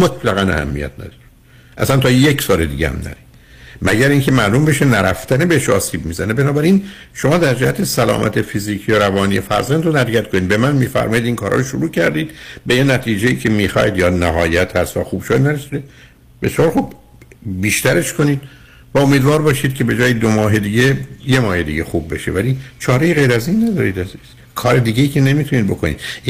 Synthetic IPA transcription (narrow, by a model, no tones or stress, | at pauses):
mot̪ʰlæɣænæ̰hæ̰mːḭjæ̰t̪̚ʰnæ̰d̪ɒɾi | ʔæ̰sænt̪ʰɒːjecsɒːle̞d̪ḭːɟḛhæ̰mnæ̰ɾid̪̥ | mæɟæɾiŋcʰemæʔlumbe̞ʃenæɾæft̪ænebeheʃɒ̰ːsiːbmiːzænebenɒːbæɾin | ʃo̞mɒːd̪æɾd͡ʒæhæt̪ʰesælɒ̰ːmʔæ̰t̪ʰefiziːcʰijoɾævɒːnijefæ̰ɾzænd̪ɾonæɾjæt̪kʰoniːd̪̚be̞mænmiːfæ̰ɾmɒːjid̪iːnkʰɒːɾɒ̰ːjʃoɾuːcʰæɾd̪iːd̪bejenæt̪ʰiːd͡ʒejiːcʰe̞miːxɒ̰ːjid̪jɒːnæɦɒːjæt̪ʰhæst̪væ̰xuːb̥ʃojæd̪næɾesid̪e | be̞sijɒːɾxub | biːʃt̪æɾe̞ʃkʰo̞niːd̪̥ | væomiːd̪vɒːɾbɒːʃiːd̪̥̚cʰe̞be̞d͡ʒɒːjed̪omɒːɦe̞d̪iːɟeje̞mɒːhe̞d̪ḭɟexubːe̞̰ʃe̞̰vælit͡ʃʰɒːɾe̞jiɣe̞jɾæzinːæd̪ɒːɾiːd̪æz | kʰɒːɾe̞d̪iːɟejiːcʰe̞ne̞miːt̪ʰuniːd̪̚bo̞̰kʰo̞nḭːd̪̥